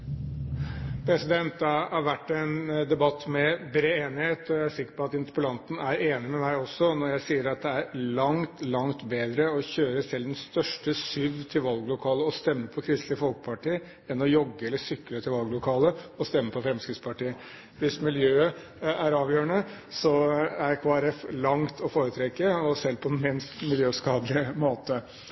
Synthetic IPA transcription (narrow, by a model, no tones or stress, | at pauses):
pʰɾɛsɪd̪ɛnt̪̚d̪ɑhɑɾʋæʈːɛnd̪ɛbɑt̪ːmɛbɾeːeːnɪheːt̪ɔjæɪæʂɪkːə̥ɾpʰɔɑt̪ɪnt̪ə̥pəlɑnt̪n̩æɾeːnɪmɛmæɪɔsːɔnɔɾjæɪsiːəɾɑt̪̚d̪ɛæɾlɑŋt̪lɑŋt̪beːd̪ɾəɔçøːɾəsɛlːd̪ɛnst̪œʂʈəsʏʋt̪ʰɪlʋɑlɡlʊkʰɑːləɔst̪ɛmːəpʰɔkʰɾɪst̪lɪfɔlkpʰɑʈiːə | ɛnɔjɔɡːəɛlːəsʏkːlət̪ʰɪlʋɑlɡlʊkʰɑːləɔst̪ɛmːəpʰɔfɾɛmskɾɪt̪spʰɑʈiːə | ʋɪsmɪljøːə | æɾɑːʋjøːəɳəsɔæɾkʰoːæɾɛflɑŋt̪ʰɔfoːɾət̪ʰɾɛkːəɔsɛlpʰɔɛnmɪnst̪mɪljøːskɑːd̪lɪəmoːt̪ə